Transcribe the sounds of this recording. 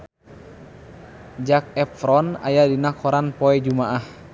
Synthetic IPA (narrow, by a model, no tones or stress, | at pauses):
d͡ʒak̚ɛpɾɔna̰jadinakʰɔɾanpɔɛd͡ʒumaʔah